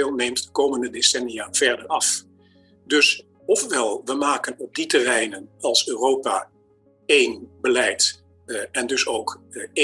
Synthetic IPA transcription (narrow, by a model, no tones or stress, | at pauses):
lˠnejmtdəkowməndədesɛnijav̥ɛɹdəɹɑf | dɵs | ɔfʋɛlˠʋəmaːkənɔb̚ditərɛjnənɑlˠsøːrowpa̰ː | ejnbəlɛjt | ɛndɵsowk